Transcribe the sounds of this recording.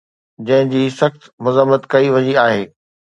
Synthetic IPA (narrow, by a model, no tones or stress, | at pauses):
d͡ʑɐ̃ɦɪ̃d͡ʑiːsɐxt̪mʊzəmːət̪kɐiʋɐɲiaːɦeː